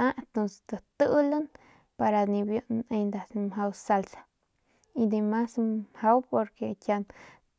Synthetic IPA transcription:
aet̪onse̥d̪ət̪ɨlan | paɾanibjuneɲnd̪asmɦawsalsḁ | id̪emashawpoɾkekʲjan

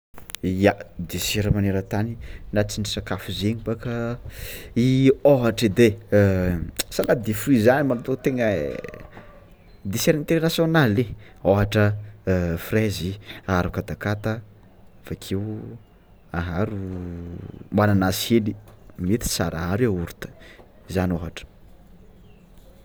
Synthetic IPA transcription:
jad̪eseɾəmaneɾət̪aninat͡sinisakafuzeɲibakə | ioɦaʈ͡ʂid̪e | sanad̪eflizanimanat̪ot̪eŋə | d̪eseɾint̪eɾenasjonale | oɦaʈ͡ʂə | frɛziaɾukat̪akat̪a | vakʰew | aɦaɾu | mbananashelimet̪i̥sa̰ɾʔa̰ɦaɾeauɾut̪ə̥ | izanoɦaʈ͡ʂə̥

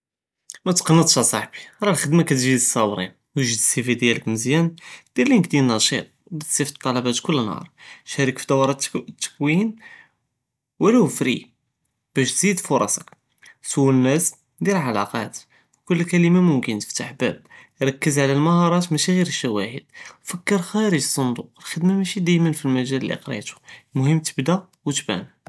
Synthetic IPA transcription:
mæt̪qɑnːət̪ˤʃæsˤɑħbiɾˤɑlxəd̪makæt̪ʒid̪əsˤːɑwɾḭn | wəʒəd̪sifid̪jæləkməzjænd̪̥iɾlinək̚d̪inːɑʃḭt̪̚ˤbæd̪sifət̪ˤːɑlɑbæt̪kʊlːnhɑ̰ɾˤʃæɾəkfid̪ɑwɑɾˤɑtt̪ːə̥kwin | wælæwfɾḭ | b̥æʃt̪zid̪fʊɾˤɑsək | suwːnːæs | d̪iɾlʕalɑ̰qɑt̪ | kʊlːkæləmamʊmkənt̪ə̥ft̪aħbæ̰b̚ | ɾˤɑkːəzʕlælmɑhɑɾˤɑt̪mæʃiɣiɾʃæwæhəd̪̥̚fəkːəɾxæɾəʒəsˤːond̪uqlxəd̪mæmæʃid̪æjmənfilmæʒælːḭqɾḭt̪u̥mʊhəmːt̪ə̥bd̪æ | wət̪bæ̰n

